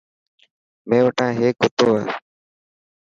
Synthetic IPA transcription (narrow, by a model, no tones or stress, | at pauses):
mẽːʋəʈãːɦeːkɦʊt̪oːeː